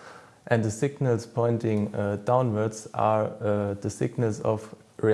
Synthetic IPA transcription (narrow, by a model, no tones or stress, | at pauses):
ʔɛ̃ndðəsɪɡnəlˠspʰɔ̃ɪ̃ntɪ̃ŋdãʊ̃nwə˞dza̰ | ðəsɪ̰ɡnəlzɔvɹi